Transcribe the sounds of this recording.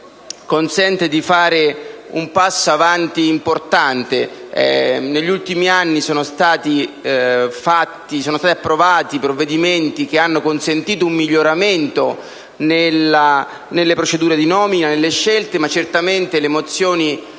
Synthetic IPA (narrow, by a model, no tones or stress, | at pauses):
konsɛnt̪ed̪ifaːɾeṵmpasːoavant̪iːmport̪ant̪eɛ̰neʎːult̪imianːisɔːnost̪aːt̪i | fat̪ːisoːnost̪at̪apːɾovaːt̪ipɾovːed̪iment̪ik̟eanːokonsent̪iːt̪̬oumːiʎːoɾament̪o | nela | nelːepɾot͡ʃed̪uːɾed̪inɔːminanelːeʃːelt̪emat͡ʃːert̪ament̪elemot̪sːjoːni